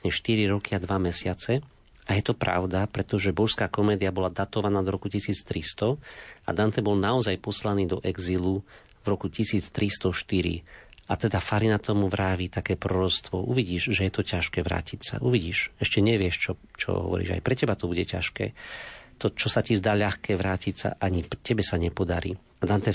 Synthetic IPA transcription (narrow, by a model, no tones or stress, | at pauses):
ɲɛʃt̪iɾiɾɔkiad̪ʋamɛsɪat͡sɛ | ajɛt̪ɔpɾa̰ʊd̪apɾɛt̪ɔʒɛbɔʃskaːkɔmɛːd̪iabɔlad̪at̪ɔʋanaːd̪ɔɾɔkucisiːt͡st̪ɾist̪ɔa̰d̪ant̪ɛbɔlnaɔzajpɔslaniːd̪ɔʔɛɡzilu | vɾɔkucisiːt͡st̪ɾist̪ɔʃt̪iɾḭat̪ɛd̪afaɾinat̪ɔmuʋɾaːʋit̪akɛːpɾɔɾɔt͡st̪ʋɔʔṵʋiɟiːʒʒɛjɛt̪ɔcaʃkɛːʋɾa̰ːcicsa̰ʔuʋiɟiːʃɛʃcɛɲɛʋɪɛʃt͡ʃɔt͡ʃɔ̰ɦɔ̰ʋɔ̰ɾḭːʒa̰jpɾɛcɛbat̪ɔbuɟɛca̰ʃkɛ̰ːt̪ɔt͡ʃɔsacizd̪aːʎaxkɛːʋɾaːcicsa̰ʔaɲipcɛbɛsaɲɛpɔd̪aɾḭː | ad̪ant̪ɛ